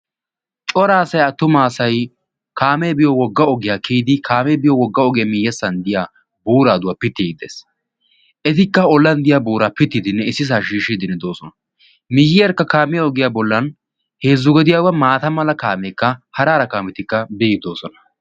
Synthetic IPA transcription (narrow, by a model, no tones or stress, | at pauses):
t͡ʃʼɔɾaːsɐjɐt̪ːʊmaːsɐj | kʰaːmeːbɪjɔwɔɡːɐɔɡɪjaːkʰiːd̪ɪkʰaːmeːbɪjɔwɔɡːɐɔɡemɪjːɛsːɐnd̪ɪjaː | buːɾaːd̪ʊwaːpɪt̪ːiːɡd̪eːs | ʔɛt̪ɪkːɐɔlːɐnd̪ɪjaːbuːɾaːpɪt̪ːɪd̪ɪnːɛɪsːɪs̬aːʃiːʃid̪ɪnːɛd̪o̞ːsɔnɐ | mɪjːɪjɛɾkːɐkaːmɪjaɔɡɪjaːbɔlːɐn | he̞ːzːʊɡɔd̪ɪjaːwɐmaːt̪ɐmɐlɐkaːmeːkːɐhɐɾaːɾɐkaːmɛt̪ɪkːɐbɛːɡɪd̪o̞ːsɔnɐ̥